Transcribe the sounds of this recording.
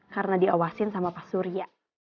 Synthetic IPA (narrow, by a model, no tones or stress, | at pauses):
kaɾənadiawasɪnsamapasuɾia